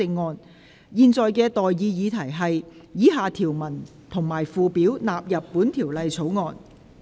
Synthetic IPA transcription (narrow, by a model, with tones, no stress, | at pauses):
ɪ˧ŋːɔː˨˧n | jiː˨˧nt͡sɔː˨jkɛː˧t̪ɔː˨jːiː˧jiː˨˧t̪ʰɐ˨˩jɦɐ˨jjiː˨˥ɦaː˨˧t̪ʰiː˨˩wmɐ˨˩n | t̪ʰʊ˨˩ŋmaː˨˩jfuː˨piː˨˥wnaː˨p̚jɐ˨pːuː˨˥nt̪ʰiː˨˩wlɐ˨jt͡sʰo˨˥wŋɔː˨˧n